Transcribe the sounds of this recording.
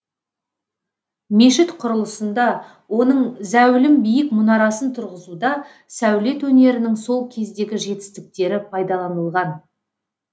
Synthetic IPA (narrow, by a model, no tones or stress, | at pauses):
me̞ʃɪt̪qʰʊɾəlˠəsənd̪ɑ | wo̞nəɴzæwlɪmbijɪkmʊnɑɾɑsənt̪ʰʊɾʁəzud̪ɑ | sæwle̞t̪wɵne̞ɾɪnɪŋso̞lˠkʲʰe̞zd̪e̞ɡʲɪʒe̞t̪ɪ̥st̪ɪk̚t̪e̞ɾɪpʰɑjd̪ɑlˠɑnəlˠʁɑn